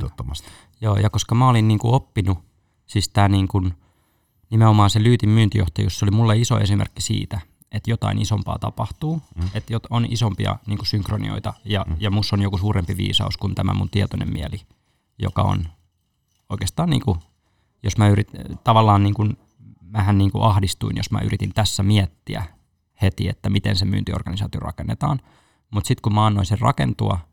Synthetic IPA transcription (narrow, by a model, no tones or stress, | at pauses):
ot̪ːomɑst̪ | joːjɑkoskɑmæolinniːŋkuopːinu | siːst̪æːniːŋkun | nimeomɑːnselyːt̪immyːnt̪ijoht̪ɑjusseolimulːeiso̰esimḛrkːisḭːt̪æ | et̪jot̪ɑ̰inisompɑ̰ːt̪ɑ̰pɑht̪uːet̪jot̪onʔisompiɑ̰niːŋkusyŋkronḭo̰it̪ɑjɑjɑmusːonjokusuːɾempiʋḭːsɑ̰uskunt̪æmæ̰munt̪iɛt̪onḛmmiæli | jokɑo̰n | oikeːst̪ɑːnnḭːŋku | josmæyɾit̪t̪ɑʋɑlːɑːnniːŋkun | mæhænniːŋkuʔɑhdist̪uinjosmæ̰ʔy̰ɾit̪int̪æsːæmiɛt̪ːiæ | het̪iet̪ːæmit̪ensemy̰ːnt̪io̰rɡ̥ɑnisɑ̰ːt̪iorɑ̰kenːet̪ɑːn | mut̪sit̪kummɑɑnːoisirrɑ̰kent̪uɑ